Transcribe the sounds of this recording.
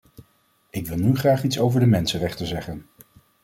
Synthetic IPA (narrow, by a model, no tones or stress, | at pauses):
ɪkʋɪlˠnyχraːχitsowvəɹdəmɛnsənrɛχtəzɛχən